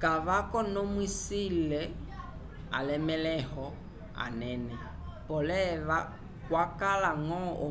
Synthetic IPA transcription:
kaβakɔnomwisilɛ | a̰lɛmɛlɛhɔ | a̰nɛnɛ | pɔlɛβa | kwakalaŋɔo̰

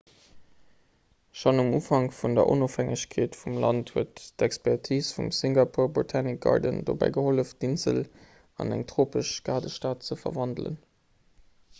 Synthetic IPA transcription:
ʃonumuːfɑŋfundɐ̰ʔo̰noːfhæŋəɕkʰeːtfumlɑ̰nthuətdækspɛʁtʰiːsfṵmsiŋɡapʰuːɐbotʰanik̚ɡ̥ɑ̰ʁdə̰ndo̰bæ̰ɪɡəholəfd̥inzə̰l | ɑ̰næ̰ŋtʁ̥oːpəʃɡ̥aːdəʃtaːt̚t͡səfɐ̰vɑndlə̰n

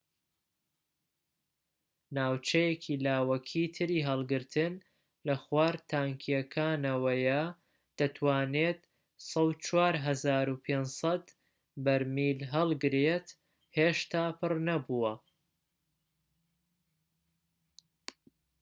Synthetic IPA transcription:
naːwt͡ʃɐjekʰilaːwɐkʰit̪ʰɨɾiːɦɐlˠɡɨɾt̪ʰɨn | lɐxwaːɾt̪ʰaːŋkʰijɐkʰaːnɐwɐjɐ | d̪̥ɐt̪ʰwaːneːt̪ | sɐwt͡ʃwaːɾɦɐzaːɾupʰeːnsɐt̪ | bɐɾmiːlɦɐlˠɡɨɾet̪ | heːʃt̪aːpʰɨrnɐbuwɐ

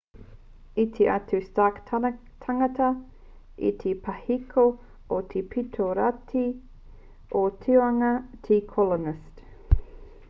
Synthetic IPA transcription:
itʰeʔatʉstaːktʰ | tʰɐŋɐtɐ | ḭt̪ʰepʰɐhikʰo | ot̪ʰepʰitʰoɾatʰi | otʰioaŋɐtʰikʰɔlonɪst

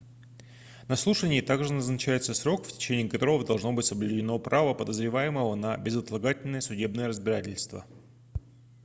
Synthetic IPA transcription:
nɐslˠuʂənʲɪːt̪aɡʐɨnəznɐt͡ɕæjɪt̪səsɾo̞kftʲɪ̥t͡ɕenʲɪːkɐt̪o̞ɾəvəd̪ɐlˠʐno̞bɨtʲsəblʲʉdʲɪno̞pɾʔavəpəd̪əzɾʲɪvajɪməvənəbʲɪzət̪lˠɐɡatʲɪlʲnəjəsʊdʲe̞bnəjəɾəzbʲɪɾatʲɪlʲst̪və̰

